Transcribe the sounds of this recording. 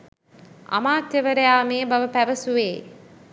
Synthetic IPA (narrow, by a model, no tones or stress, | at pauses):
ɐ̰maːt̪jəʋəɾəjaːmeːbɐʋəpæʋəsuʋeː